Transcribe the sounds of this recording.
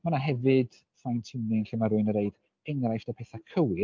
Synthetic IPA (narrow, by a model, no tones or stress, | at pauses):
manaɦɛvɨd̥ | θajntʰɪmnɪnɬɪmaɾʊɨnəɾeɨd | ɛŋrajfd̥apʰɛθakʰəwɪ